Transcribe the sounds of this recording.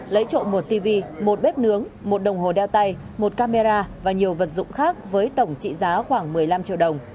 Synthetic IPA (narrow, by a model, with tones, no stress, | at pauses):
lə˨˦jt͡ɕo̰˧˨mo˨˩t̚t̪i˧vi˧mo˨˩t̚ɓɛ˦˥p̚nɨ˨˦əŋmo˨˩t̚ɗə˨˩wŋ͡mɦo˨˩ɗɛ˧wt̪a˧j | mo˨˩t̚kaː˧me˧zaː˧vaː˨˩ɲi˨˩əwvə˨˩t̚zʊ̰˧˨ŋ͡mxaː˦˥k̚vəː˨˦jt̪ə˧˩wŋ͡mt͡ɕḭ˧˨zaː˨˦xwaː˧˩ŋmɨ˨˩əjla˧mt͡ɕḭ˧əwɗə˨˩wŋ͡m